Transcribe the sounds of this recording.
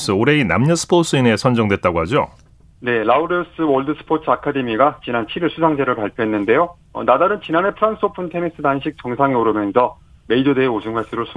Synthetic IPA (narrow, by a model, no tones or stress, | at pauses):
s͈ɯoɾe̞ina̰mɲʌsʰɯ̥pʰos͈ɯine̞sʰʌnd͡ʑʌŋdwe̞t̚t͈aɡoɦad͡ʑo | ne̞lauɾios͈ɯwʌɭdɯsʰɯ̥pʰotʰɯakʰade̞miɡat͡ɕinant͡ɕʰiɾiɭsʰusʰaŋd͡ʑe̞ɾɯɭpaɭpʰjoɦe̞nːɯnde̞jo | ʌ̰nadaɾɯnt͡ɕinane̞pʰɯɾans͈ʰopʰuntʰe̞nis͈ɯdanɕʰik̚t͡ɕʌŋsʰaŋeoɾɯmjʌnsʰʌ | me̞id͡ʑode̞od͡ʑuŋɡʰwaɭs͈ʰɯɾosʰ